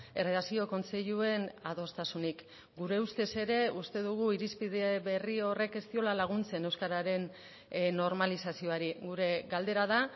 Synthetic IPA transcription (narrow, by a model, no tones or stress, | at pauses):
e̞reðasio̞ko̞nst͡seʎue̞naðo̞st̪asunik | ɡuɾe̞ust̪e̞se̞ɾe̞ust̪e̞ðuɣ̞uiɾispiðe̞βe̞rio̞re̞ke̞st̪io̞lalaɣ̞unt͡se̞ne̞wskaɾaɾe̞n | no̞ɾmalisasio̞aɾiɣuɾe̞ɡald̪e̞ɾaða